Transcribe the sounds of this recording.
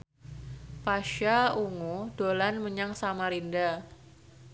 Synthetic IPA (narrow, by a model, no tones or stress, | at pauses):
paʃauŋud̥olanməɲaŋsamaɾinda